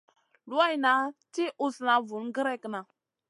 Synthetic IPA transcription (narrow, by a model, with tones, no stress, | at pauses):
lu˦a˦jna˨˦ti˦ʔu˦sna˨vu˨nɡə˦ɾe˦kna˨